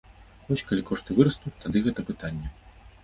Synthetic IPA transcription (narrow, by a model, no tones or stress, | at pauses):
vɔsʲkalʲikɔʂt̪ɨvɨɾɐst̪ut̪ad̪ɨɣɛt̪ɐpɨt̪anʲːɛ